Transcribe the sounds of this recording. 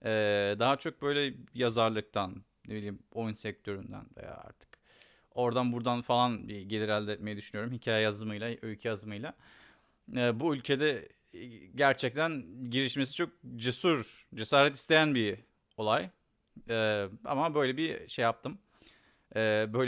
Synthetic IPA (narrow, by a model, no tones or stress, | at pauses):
ɛːd̪aɦat͡ʃʰo̞k̚bø̞jlʲɛjazaɾlˠɯk̚t̪ʰan | nebilʲiːmo̞jnsɛc̚t̪ʰø̞ɾynd̪æ̰nvḛja̰ːa̰ɾt̪ʰɯ̥k | o̞ɾd̪anbuɾd̪anfalˠanbiɟe̞lʲiɾælʲd̪ɛt̪̚me̞jɛd̪yʃynyjo̞ɾumhicʰaːjɛjazd̪ɯmɯjlˠaøjcʰyjazɯmɯjlˠa | ɛːbuylʲcʰe̞d̪ɛ | ɟæɾt͡ʃʰɛc̚t̪ʰænɟiɾiʃmesi̥t͡ʃʰo̞k̚d͡ʒesuɾd͡ʒe̞saːɾɛt̪i̥st̪ʰe̞jænbi | o̞lˠaj | ɛːa̰mabø̞jlʲebiʃejːap̚t̪ʰɯm | ɛːbøjl